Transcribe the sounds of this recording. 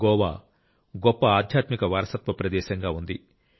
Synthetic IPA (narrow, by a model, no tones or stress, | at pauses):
ɡɔːʋa̰ː | ɡɔpːɐaːd̪ʱjaːt̪mikɐʋaːɾɐsɐt̪ʋɐpɾɐd̪ɛːʃɐŋɡaːund̪i